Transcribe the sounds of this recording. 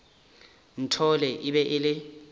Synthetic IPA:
n̩tʰɔlɛʔiɓɛʔɪlɪ

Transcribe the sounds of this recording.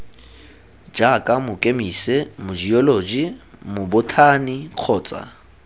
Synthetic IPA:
d͡ʒakʼamʊkʼemisemʊd͡ʒiɔloːd͡ʒimʊbʊtʰaniq͡χʰɔːt͡sʼa̰

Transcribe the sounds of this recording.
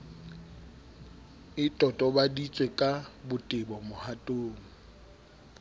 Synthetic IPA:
ɪtʼɔtʼɔbadit͡sʼwekʼabʊtʼɪbɔmʊhatʼoːŋ̩

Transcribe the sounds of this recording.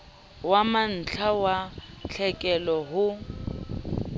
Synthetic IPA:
waman̩t͡ɬʰawat͡ɬʰɛkʼɛlɔɦʊ

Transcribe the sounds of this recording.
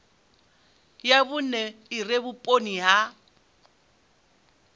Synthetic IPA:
jaβʊnɛɪrebʊpʼoniɦa

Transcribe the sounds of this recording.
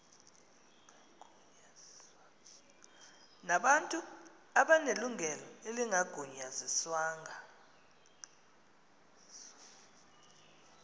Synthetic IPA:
naɓantʼu | aɓaneluŋʱɛlɔeliŋʱaɡ̥ʱuɲaziswaːŋʱa

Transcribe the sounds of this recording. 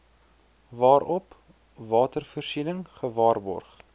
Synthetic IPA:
vɑːɾɔp | vɑːtərfərsinəŋχəvɑːrbɔ̰rχ

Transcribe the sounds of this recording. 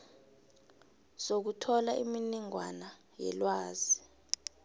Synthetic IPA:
sok̬utʰɔlaʔiminiŋwana | jɛ̰lwaːz̥i

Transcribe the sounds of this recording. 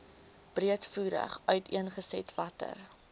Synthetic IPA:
b̥riətfuːɾə̰χœɥtʰiənχəsɛ̰tvɐtə̰r

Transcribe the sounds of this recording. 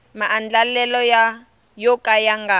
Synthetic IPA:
maʔːnd͡ɮalɛlɔja | jɔkʼajaŋɡa

